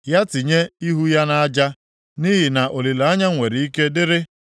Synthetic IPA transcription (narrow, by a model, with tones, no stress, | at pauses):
ja˦ti˨ɲe˦i˦ɦu˦ja˦na˦a˦d͡ʒa˦ | ni˦ɦi˨na˨ʔo˨li˨la˦ɲa˦ŋʷe˨ɾi˨i˦ke˦dɪ˦ɾɪ˦